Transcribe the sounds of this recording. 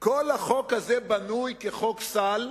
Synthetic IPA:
kolhaχokhazebanujkeχoksal

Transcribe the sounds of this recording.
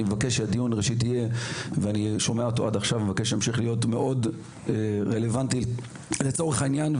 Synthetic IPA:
imevakeʃead̪ijunʁeʃit̬ije̞veaniʃo̞meaot̪̬o̞adaχʃavmevake̞ʃeemʃiχlijo̞tme̞ʔo̞d | ʁele̞vanti | let͡so̞ʁeχainjan

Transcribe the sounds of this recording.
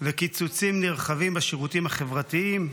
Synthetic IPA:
vekit͡sut͡simniʁχavimbaʃeʁut̪imhaχevʁat̪iim

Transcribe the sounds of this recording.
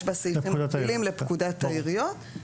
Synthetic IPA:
ʃbasiimdatlimlepkudat̪ːaiʁijot̪

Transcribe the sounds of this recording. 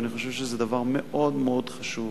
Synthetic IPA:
niχo̞ʃevʃezed̪avaʁmeʔo̞d̪meo̞d̪χaʃuv

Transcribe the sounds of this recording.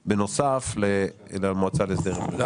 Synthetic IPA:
benosafle | lamoat͡salesdeʁema

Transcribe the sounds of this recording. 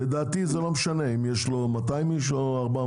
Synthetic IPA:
led̪aːt̪izelo̞meʃane̞imjeʃlo̞mat̪aimiʃ̬oaʁba

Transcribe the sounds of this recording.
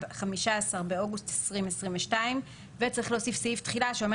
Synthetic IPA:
χamiʃaasaʁbeo̞ɡustesʁimesʁĩmveʃtaim | vet͡saʁiχleoosifsiiftχilaʃeo̞me

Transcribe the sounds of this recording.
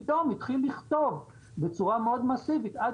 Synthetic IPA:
domit̪χilːiχt̪o̞v | be̞t͡suʁameo̞d̪masivit̪a

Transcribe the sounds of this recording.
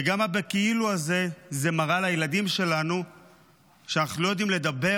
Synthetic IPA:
eɡamabekiiluaze̞ze̞maʁalajelad̪imʃe̞lanu | ʃeanaχnulo̞jo̞d̪imle̞d̪abe̞

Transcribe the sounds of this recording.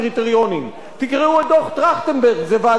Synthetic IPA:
ʁit̪eʁjonim | t̪ikʁeued̪oχt̪ʁaχt̪enbeʁɡzeva

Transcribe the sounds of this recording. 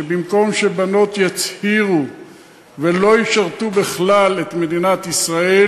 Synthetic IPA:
ebimko̞mʃe̞bano̞t̪jat͡shiʁu | velo̞jiʃaʁt̪ubeχlale̞t̪me̞d̪inat̪isʁae

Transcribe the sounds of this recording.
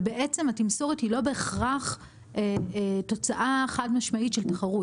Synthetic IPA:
beʔet͡se̞matimso̞ʁethilo̞be̞ːχʁaχ | eto̞t͡saʔaeχadmaʃmaitʃeltaχaʁu

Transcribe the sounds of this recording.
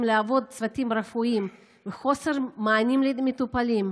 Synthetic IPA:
mleavo̞d̪̚t͡svat̪imɾafuim | vexo̞seʁmaːnimlemet̪upalim

